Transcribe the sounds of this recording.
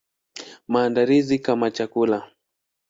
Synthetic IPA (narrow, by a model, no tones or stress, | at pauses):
maːndalizikamat͡ʃakula